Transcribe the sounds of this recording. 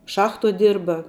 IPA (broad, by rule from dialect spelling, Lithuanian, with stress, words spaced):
ˈʃɑːxtuɔ ˈdʲɪrbɐ